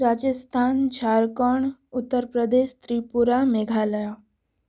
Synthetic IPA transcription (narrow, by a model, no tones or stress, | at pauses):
ɾad͡ʑəst̪ʰand͡ʑʰʱaɾkəɳut̪ːəɾpɾəd̪eɕt̪ɾipuɾameɡʱalja